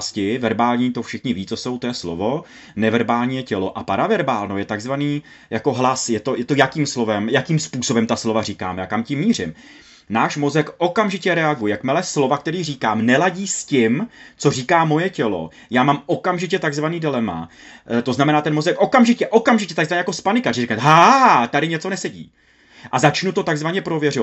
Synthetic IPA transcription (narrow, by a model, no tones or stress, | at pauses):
scɪvɛɾbaːlɲiːt̪ofʃɪxɲɪviːt͡soso̞wt̪ojɛslo̰vo̞ | nɛvɛɾbaːlɲiːjɛcɛlo̞ʔapaɾavɛɾbaːlnojɛt̪aɡzvaniː | jako̞ɦlasjɛt̪o̞jɛt̪o̞jakiːmslo̞vɛmjakiːmspuːso̞bɛmt̪aslo̞variːkaːmjaːkamcɪmːiːr̝ɪm | naːʃmo̞zɛkʔo̞kamʒɪcɛɾɛaɡujɛjakmɪlɛslo̞vak̚t̪ɛɾiːriːkaːmnɛlaɟiːscɪmt͡so̞r̝iːkaːmo̞jɛcɛlo̞̰ | jaːmaːmʔo̞kamʒɪc̬ɛt̪aɡzvaniːdɪlɛma̰ | t̪o̞znamɛnaːt̪ɛnmo̞zɛkʔo̞kamʒɪcɛʔo̞kamʒɪcɛt̪aɡzvaɲɛjakospanɪkarɪɾiknɛt̪ɦat̪adɪɲɛt͡so̞nɛsɛɟḭː | ʔazat͡ʃnut̪o̞t̪aɡzvaɲɛpɾo̞vjɛrɪa